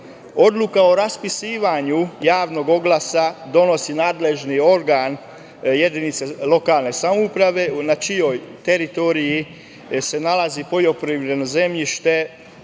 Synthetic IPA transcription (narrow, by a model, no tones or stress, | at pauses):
o̞d̪lukao̞ɾaspisiːʋaɲujaːʋno̞ɡo̞ɡlasad̪o̞no̞sinaːd̪le̞ʒnio̞ɾɡan | jed̪init̪selo̞kaːlˠne̞samoupɾaʋe̞nat͡ʃijo̞jt̪eɾit̪o̞ɾiji | se̞nalazipo̞ʎo̞pɾiʋɾed̪noze̞mʎiʃt̪e̞